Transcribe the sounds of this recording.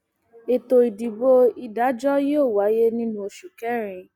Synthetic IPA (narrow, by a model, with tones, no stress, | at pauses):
e˨to˧i˨di˨bo˧i˧da˨˦d͡ʒɔ˦joː˦˨wa˨˦je˦nĩ˦nũ˦o˧ʃu˨kɛ˨˦ɾ̃ĩ˨˧